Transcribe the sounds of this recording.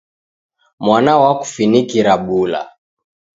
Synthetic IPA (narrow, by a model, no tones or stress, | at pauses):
mwanawaku̥finikiɾaɓula̰